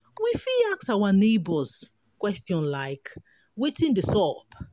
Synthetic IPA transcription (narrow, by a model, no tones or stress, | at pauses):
wifiaksawanebɔz | kwɛstjɔ̃nlaɪk | wetĩndəsɔp